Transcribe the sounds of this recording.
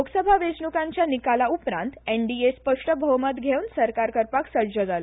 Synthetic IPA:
oɡsəbʱaʋesɳukãɲt͡ɕjanikalaupɾã̰nt̪eɳɖiespəkʂʈəbʱəʋmat̪ɡʱeunsəɾkaɾkəɾpaksəɾd͡ʑəd͡zalə

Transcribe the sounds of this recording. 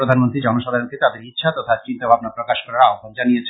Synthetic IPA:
ɾod̪ʱanmont̪ɾid͡ʑɔnoʃad̪ʱaɾonk̪et̪ad̪eɾit̪ːɕʰat̪ɔt̪ʰat͡ɕint̪obʱabnapɾokaʃkɔɾaɾaoɡond͡ʑanijet͡ɕʰ

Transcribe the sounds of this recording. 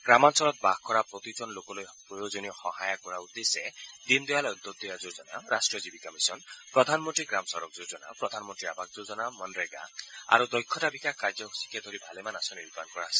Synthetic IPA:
ɡɾamansɔlɔt̪̚bakɔɾapɾɔt̪id͡ʒɔnlokɔlojpɾɔjod͡ʒɔnijɔxɔɦajakɔɾaud̪esed̪ind̪ɔjalɔnt̪ɔd̪ɔjad͡ʒod͡ʒɔna̰ɾasʈɾiɔd͡ʒibikɔmisɔnpɾɔd̪ʱanmɔnʈɾiɡɾamɔsɔɾɔk̚d͡ʒod͡ʒɔna̰pɾɔd̪ʱanmɔnʈɾiabʱak̚d͡ʒod͡ʒɔnamɔnɾeɡa̰a̰ɾud̪ɔjkʰːɔʈabikakʰkaɾd͡ʒɔsi̥kʰed̪ʱɔɾibʱalemanasɔniɾut̪ankɔɾasi

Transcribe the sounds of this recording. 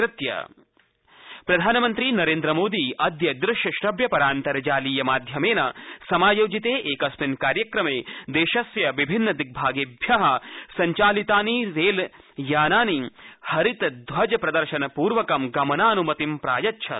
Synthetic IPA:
ɾɪt̪jɐ̰ | pɾɐd̪ʱaːnɐmɐnt̪ɾiːnɐɾeːnd̪ɾɐmoːd̪iːʔɐd̪ʱjɐd̪ɾɪʃjɐʃɾɐbjɐpɐɾaːnt̪ɐɾɐd͡ʒaːliːjɐmaːd̪ʱjɐmeːnɐsɐmaːjoːd͡ʒit̪eːʔeːkɐsminkaːɾjɐkɾɐmeːd̪eːʃɐsʋjɐʋibʱinːɐd̪ik̚bʱaːɡebʱjɐɦɐsɐɲt͡ʃaːlit̪aːniɾeːl | jaːnaːnihɐɾit̪ɐd̪ʱʋɐd͡ʒɐpɾɐd̪ɐɾʃɐnɐpuːɾʋɐkɐmɡɐmɐnaːnumɐt̪impɾa̰ːjɐtːʃʰɐ̰

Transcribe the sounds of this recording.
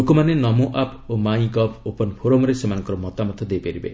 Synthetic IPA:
okɔmanenɔmoʔapomaĩkɔpʰopɔnpʰoɾomɾesemanɔŋkɔɾɔmɔt̪amɔt̪ʰɔd̪ejpaɾibḛ

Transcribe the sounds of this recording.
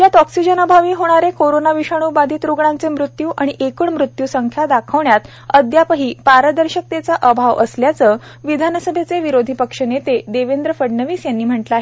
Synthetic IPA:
jat̪ɔksid͡ʑənəbʱaʋiːɦoɽ̃aɾekoɾonaʋiʂaɽ̃uːbad̪ʱiːt̪ɾuɡɳãnt͡semɾut̪juːʔaɽ̃iʔekuːɳmɾut̪juːsəŋkʰjad̪akʰəʋɳjat̪ | əd̪japəɦiːpaɾəd̪əɾɕək̚t̪et͡saʔəbʱaʋə̰sljat͡sə | ʋid̪ʱanəsəbʱet͡seʋiɾod̪ʱipəkʂənet̪ed̪eʋend̪ɾəfəɽnəʋiːsjanːiːm̤əɳʈləaɦe

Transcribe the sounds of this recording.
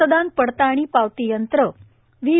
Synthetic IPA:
əd̪anpəɽt̪aɽ̃ipaʋt̪ijənt̪ɾə | ʋi

